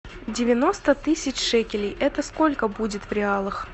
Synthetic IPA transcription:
dʲɪvʲɪno̞st̪ət̪ɨsʲɪt͡ɕʂɛkʲɪlʲɪjɛt̪əsko̞lʲkəbudʲɪt̪vɾʲɪalˠɨx

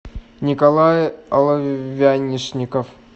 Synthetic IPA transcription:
nʲɪkɐlˠajɐlˠɐvʲanʲɪʂnʲɪkəf

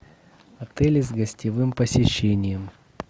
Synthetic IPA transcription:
ɐt̪ɛlʲɪzɡəsʲtʲɪvɨmpəsʲɪɕːenʲɪjəm

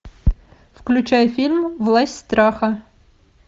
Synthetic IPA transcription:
fklʲʉt͡ɕajfʲilʲmvlˠasʲtʲst̪ɾaxɐ

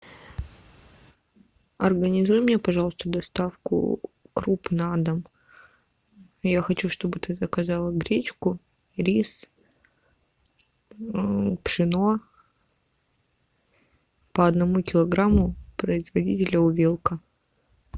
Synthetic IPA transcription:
ɐrɡənʲɪzujʊmʲnʲepɐʐɑlˠəst̪əd̪ɐst̪afkʊ̰kɾupnad̪əm | jaxɐt͡ɕuʂt̪o̞bɨt̪ɨzəkɐzalˠəɡɾʲet͡ɕkʊ | ɾʲis | pʂɨno | pəɐd̪nɐmukʲɪlˠɐɡɾamːʊpɾəɪzvɐdʲitʲɪlʲəʊvʲelˠkə

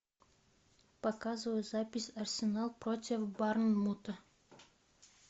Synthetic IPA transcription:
pɐkazɨvəjʊzapʲɪsʲɐrsʲɪnalˠpɾotʲɪfbarnmut̪ə

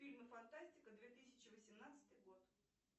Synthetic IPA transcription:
fʲilʲməfant̪asʲtʲɪkəd̪vʲe̞t̪ɨsʲɪ̥t͡ɕɪvəsʲɪmnat̪sə̥t̪ɨjɡo̞t̪

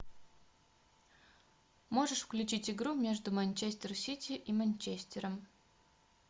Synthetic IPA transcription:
mo̞ʐɨʂfklʲʉt͡ɕitʲɪɡɾumʲeʐd̪ʊmɐnʲt͡ɕesʲtʲɪrsʲitʲɪʔimɐnʲt͡ɕesʲtʲɪɾəm

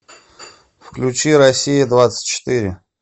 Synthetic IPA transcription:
fklʲut͡ɕiɾɐsʲijəd̪vat̪sə̥tʲt͡ɕɪ̥t̪ɨɾʲɪ̰

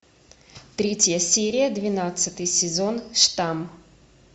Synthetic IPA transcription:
t̪ɾʲetʲjəsʲeɾʲɪjəd̪vʲɪnat̪sɨt̪ɨjsʲɪzo̞nʂt̪am

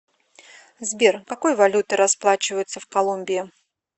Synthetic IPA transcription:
zbʲerkɐko̞jvɐlʲut̪ɨɾɐsplˠat͡ɕɪvəjʊt̪səfkɐlˠumʲbʲɪɪ

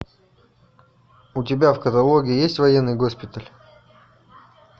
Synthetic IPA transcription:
ʊtʲɪbʲafkət̪ɐlˠoɡʲɪːjesʲtʲvɐjenːɨjɡo̞spʲɪt̪əlʲ

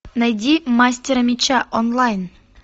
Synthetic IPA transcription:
najd̪ʲimasʲt̪ʲeɾəmʲit͡ɕaʔɔnlˠajn

